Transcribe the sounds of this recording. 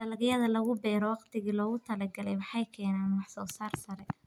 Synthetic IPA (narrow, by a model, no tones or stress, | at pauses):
d̪̥ɐlɐɡjɐðɐlɐɣʊbɛːɾɔwɑqt̪ʰɪɣiːlɔːɣʊt̪ʰɐlɐɡɐlɛjwɑħɑjkʰɛːnaːnwɑħsɔːsaːrsɐɾɛ